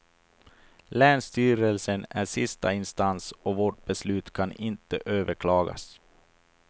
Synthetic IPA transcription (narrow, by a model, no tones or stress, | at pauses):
lɛːnst̪yːɾəlsənæʂɪst̪a̰ɪnst̪ansɔvoːʈ̚bɛslʉ̟ːt̪kʰanɪnt̪əʔøːvəɾkʰlɑːɡa̰s